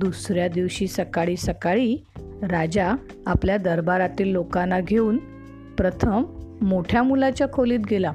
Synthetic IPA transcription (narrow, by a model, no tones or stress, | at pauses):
d̪usɾjad̪iʋɕiːsəkaɭiːsəkaɭiː | ɾad͡ʑa | apljad̪əɾbaɾat̪iːlːokanːaɡʱeuːn | pɾət̪ʰəmːoʈʰjamulat͡ɕjakʰoliːt̪̚ɡela